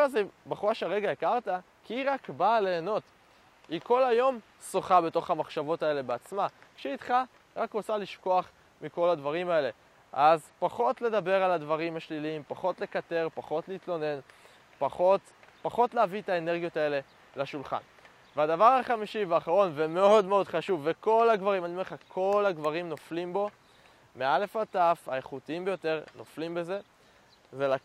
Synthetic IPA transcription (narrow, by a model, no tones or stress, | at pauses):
azebaχuʁaʃeaʁe̞ɡaekaʁt̪a | kʰiiʁakbaːleːno̞t | iko̞lajo̞m | soχabe̞to̞χhamaχʃavo̞tae̞le̞beat͡smakʃeit̪χa | ʁakʁot͡saliʃko̞aχ | miko̞ladvaʁimae̞le̞ | ʔazpaχo̞tle̞d̪abe̞ʁaladvaʁimhaʃliliimpaχo̞tle̞kat̪e̞ʁpaχo̞tleitlo̞ne̞n | paχot | paχo̞tleavietaene̞ʁɡijo̞tae̞le̞ | laʃulχa̰n | veadavaʁaχamiʃiveaχaʁo̞nveme̞o̞dmeo̞dχaʃuvːeko̞laɡvaʁimanimeʁeχakʰo̞laɡvaʁimnoflimbo̞ | meale̞fatafaeχutiimbejo̞te̞ʁno̞flimbe̞ze̞ | vela